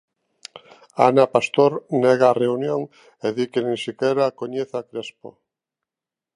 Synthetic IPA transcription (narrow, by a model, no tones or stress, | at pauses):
anapast̪oɾnɛɣaːreunjoŋ | eðikenẽŋsikɛɾakoɲeθakɾespo̰